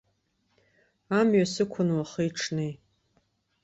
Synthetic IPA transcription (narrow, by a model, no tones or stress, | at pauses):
amɥasɨkʷʰʊnwaχiiʈ͡ʂʰnej